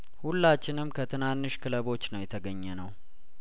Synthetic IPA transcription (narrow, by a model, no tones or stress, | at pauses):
hulːat͡ʃːɪnɨmkʰət̪ʰɨnanːɨʃkʰɨləβo̞t͡ʃːnəwjɛt̪ʰəɡəɲːɛnəw